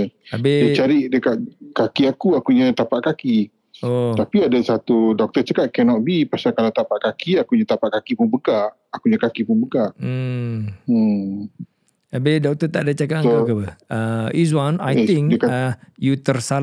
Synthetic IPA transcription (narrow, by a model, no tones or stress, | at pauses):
abedət͡ʃaɾiʔdəkat̚kakiakuakuɲat̪apaʔkaki | ott̪apiadasat̪udɔk̚t̪ət͡ʃakat̪̚kɛnɔt̪̚bipasakalat̪apaʔkakiakuɲat̪apaʔkakipunbəka | akuɲakakipunbəɡam̩ | abedɔk̚t̪ət̪aʔdat͡ʃakatkakapəəis̬wana̰jt̪ĩŋkdkajut̪ərsa